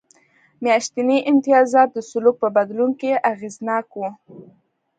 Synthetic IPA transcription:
mjɑʃt̪iniʔɪnt̪ɪjɑzɑt̪̚d̪əsʊluk̚pəbad̪lunkeʔaɣeznɑkwu

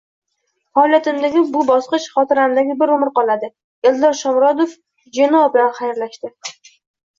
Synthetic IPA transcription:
fɒlʲˠat̪ʰɪmd̪aɡʲɪbʊbɒsqɨt͡ʃχɒt̪ʰɪɾanɪd̪aɡʲɪbɪɾʊmɪɾqɒlˠad̪ɪ | eld̪ɒɾʃɒmɾɒd̪of | d͡ʒenɒɒblanχajaɾlaʃt̪ɪ

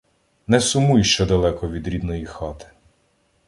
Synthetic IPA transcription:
nɛsʊmujuʃt͡ʃɛd̪ɐlˠɛkɔʋʲid̪ɾʲid̪nɔjixɑt̪ɪ̥

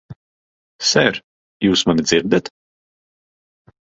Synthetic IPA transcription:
sɛɾ | juːsmanid̪ziɾd̪ʲɛt̪

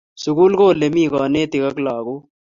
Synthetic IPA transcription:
sʊɡuːlkoːlemiːɡaːneːt̪iɣɐklaːɡoː

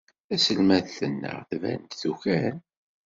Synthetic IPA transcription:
æsəlmæðθənːə̰ʁθvæ̰nt̪θuçæn

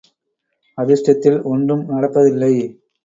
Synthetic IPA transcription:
ɐðɪʂʈɐt̪ːɪlɔɳɖɯmnɐɽɐpːɐðɪlːɐɪ

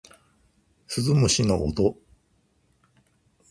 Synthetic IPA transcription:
sɨzɨmɯ̟ɕinoʔːt̪o

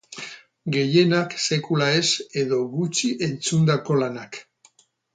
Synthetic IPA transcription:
ɡe̞je̞nakse̞kulae̞se̞ðo̞ɣut͡ʃiʔe̞nt͡sund̪ako̞lanak

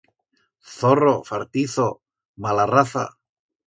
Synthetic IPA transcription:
θorofaɾt̪iθo | malaraθa̰

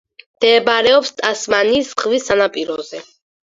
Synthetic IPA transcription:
md̪̥ɛːbaɾɛɔpst̪ʼasmaniːsʁvisanapʼiɾɔzɛ

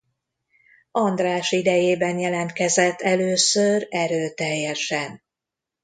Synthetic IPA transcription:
ɒnd̪raːʃid̪ɛjeːbɛnjɛlɛnt̪kɛzɛt̪ʰːɛløːsøɾɛɾøːt̪ɛjːɛʃɛn

